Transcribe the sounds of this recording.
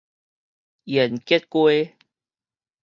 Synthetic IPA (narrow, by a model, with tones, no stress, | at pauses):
ʔi˨˩˨nki˦t̚kwe˦